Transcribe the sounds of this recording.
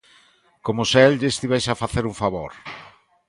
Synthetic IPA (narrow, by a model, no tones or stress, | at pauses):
komʊselʎeest̪iβɛjsafaθeɾuɱfaβo̰ɾ